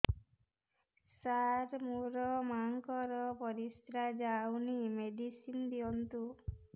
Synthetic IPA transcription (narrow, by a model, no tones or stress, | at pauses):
saɾmuɾɔmaŋkɔɾɔpɔɾist̪ɾad͡ʒawnimeɖisind̪iɔnt̪u